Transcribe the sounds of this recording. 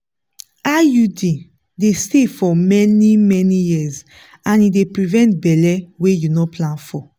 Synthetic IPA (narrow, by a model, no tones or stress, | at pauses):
ajudi | destefɔmɛnimɛnijiz | ãnidepɹivɛ̃nt̚bɛlɛwejunɔpʰlãnfɔ